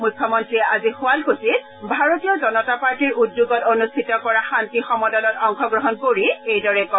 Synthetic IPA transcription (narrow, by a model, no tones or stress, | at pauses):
mujkʰːɔmɔntɹiɛazixʊalkosi | bʱaɹotijɔzɔnɔtapaɹtiɹudjoɡɔtonustʰitɔkɔɹaxantixɔmɔdɔnɔtɔŋxɔɡɹɔɦɔnkoɹiejdɔɹɛkɔ